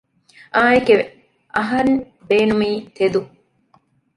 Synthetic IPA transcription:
aːjeke | ʔɐɦɐɾn | beːnumiːt̪ed̪u

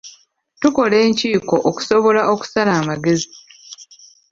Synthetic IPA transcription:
tuko̞le̞ːɲciːko̞ʔoku̥so̞βo̞laʔo̞ku̥salaːmaɡe̞zi

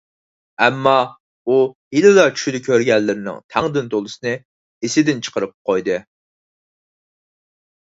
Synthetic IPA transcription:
ɛmːɑ | uhilɪlˠɑt͡ʃʰy̥ʃd̪ɪkʲʰøɾɡʲɛlːɪɾɪnɪ̰ŋt̪ʰæŋd̪ɪnt̪olˠɨsɨnɨ | ɪsɪd̪ɪnt͡ʃʰə̥qʰəɾɨp̚qʰojd̪ɨ

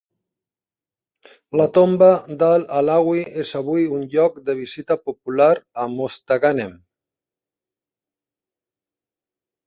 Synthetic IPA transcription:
lat̪ombad̪alalaɣwiezaβujunʎɔk̚d̪əβ̞izit̪apupulaɾamost̪aɣanem

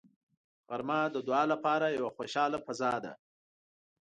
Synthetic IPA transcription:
ɣaɾmɑd̪əd̪ʊɑːlapɑɾajawaxoʃɑlapazɑd̪a̰

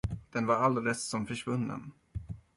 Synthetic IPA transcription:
d̪̥ɛnvaɾald̪ɾɛssɔmfœʂvɵnːə̰n

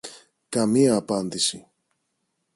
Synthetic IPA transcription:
kɐmiɐːpɐnd̪isi

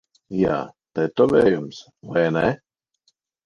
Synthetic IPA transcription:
ja̰ːt̪ɛt̪ɔvɛːjums | vajnɛ

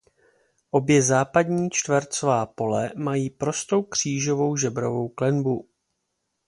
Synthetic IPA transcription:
ʔo̞bjɛzaːpadɲiːt͡ʃt̪vɛɾt͡sovaːpo̞lɛmajiːpɾo̞st̪o̞wkr̝̥iːʒo̞vo̞wʒɛbɾo̞vo̞wklɛnbu

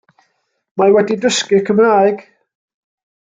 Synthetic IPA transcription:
mawɛdidəskɨkʰəmraːɨɡ̥

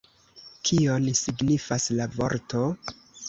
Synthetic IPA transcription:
kʰionsiɡnifaslavo̞̰ɾto̞

